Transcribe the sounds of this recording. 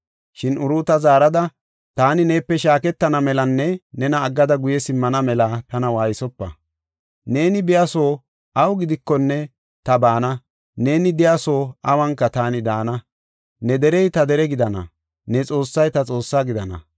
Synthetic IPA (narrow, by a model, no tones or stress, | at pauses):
ʃɪnʊɾuːt̪ɐzaːɾɐd̪ɐ | t̪aːnɪneːpːɛʃaːkɛt̪ːɐnɐmɛlɐnːɛnɛnɐːɡːɐd̪ɐɡʊjɛsɪmːɐnɐmɛlaːt̪ɐnɐwaːjɪsɔpːɐ̰ | ne̞ːnɪbɪjaso̞ː | ɐwɡɪd̪ɪkːɔnːɛ | t̪ɐbaːnɐ | ne̞ːnɪd̪ɪjaso̞ːɐwɐŋkːɐt̪aːnɪd̪aːnɐ | nɛd̪ɛɾɛjt̪ɐd̪ɛɾɛɡɪd̪ɐnɐ̰ | nɛt͡sʼo̞ːsːɐjt̪ɐt͡sʼo̞ːsːaːɡɪd̪ɐnɐ̰